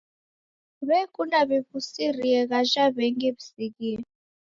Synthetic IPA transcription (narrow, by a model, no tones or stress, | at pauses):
βɛkʼunaβiβusiriɛɣaʒaβɛŋɡɛβisiɣiɛ